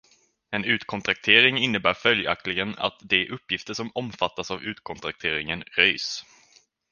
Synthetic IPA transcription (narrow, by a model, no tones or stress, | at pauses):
ɛnʉ̟ːt̪kʰɔnt̪ʰɾak̚t̪ʰeːɾɪŋɪnːəbæːɾfœlja̰k̚t̪lɪɡəna̰t̪d̪ɛæɾʔɵpːjɪft̪əʂɔmɔmfat̪ːasavʉ̟ːt̪̚kʰɔnt̪ʰɾak̚t̪ʰeːɾɪŋənɾœjs